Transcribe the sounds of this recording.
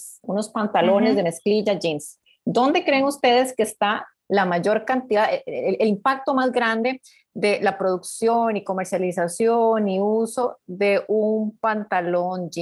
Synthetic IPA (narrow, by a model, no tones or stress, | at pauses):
unospant̪alo̞ne̞zd̪eme̞skliʝad͡ʒins | d̪o̞nd̪e̞kɾe̞ːŋust̪e̞ðe̞skeːst̪a | lamaʝo̞ɾkant̪iðaeelimpak̚t̪o̞mazɡɾand̪e̞ | ðe̞lapɾo̞ðuksjoniko̞meɾsjalisasjoniuso̞ðe̞ʔumpant̪alo̞nd͡ʒi